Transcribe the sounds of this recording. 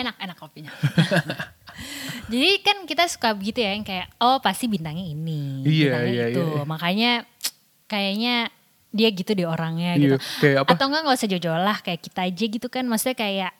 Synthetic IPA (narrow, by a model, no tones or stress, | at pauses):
enak̚enakːopiɲa | d͡ʒadikankit̪asu̥kabəɡit̪ujakankajaʔopast̪ibint̪aŋɲainiijaijaaumakaɲa | kajaɲa | diaɡit̪udioɾaŋɲaɡit̪kajaaat̪awŋɡaŋalosəd͡ʒod͡ʒolahkajakit̪aːd͡ʒaɡit̪ukanmasu̥t̪akajaʔ